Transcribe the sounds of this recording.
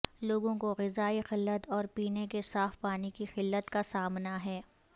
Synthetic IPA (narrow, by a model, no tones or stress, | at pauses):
loːɡõkoɣɪzaːixɪlːət̪ɔːɾpiːnekesaːfpaːnikixɪlːət̪kasaːmnaɦɛː